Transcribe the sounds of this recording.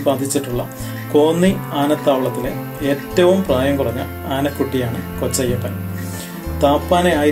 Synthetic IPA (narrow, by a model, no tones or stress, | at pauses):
baːd̪ʱit͡ɕːiʈːuɭːɐ̰ | ko̞ːnːiaːnɐt̪ːaːʋɭːɐt̪ːile̞ | eːtːɐʋumpraːjɐmkurɐɲːɐ̰ | aːnɐkːuʈːijaːɳɨko̞t͡ɕːɐjːɐpːɐn | t̪aːpːaːne̞aːj